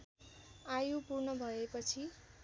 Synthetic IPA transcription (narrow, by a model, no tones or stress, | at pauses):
ajupurnʌbʱʌepʌt͡sʰi